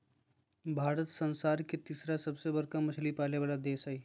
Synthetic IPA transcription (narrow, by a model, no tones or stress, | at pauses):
bʱaːɾət̪sə̃nsaːɾket̪iːsɾasɐbsebəɾkamɐt͡ʃʰlipaːleʋaːlad̪eːsaːi